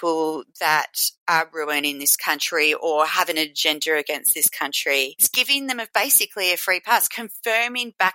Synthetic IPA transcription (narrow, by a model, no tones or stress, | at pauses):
pl̩ˠðɨɾə˞ɹʉɨ̃nɨ̃nðɪskʰʌ̃nt͡ʃɹ̥iʔəhævɨ̃nɨd͡ʒɛ̃ndə˞ɨɡɛ̃ns̚ðɪskʰʌ̃nt͡ʃɹ̥isɡ̥ɪvɪ̃ŋðɨ̃mɨbeɪsɨkʰliɨfɹipʰɑˑskʰɨ̃ɱfɜ̃˞mɪ̃ŋb̥æ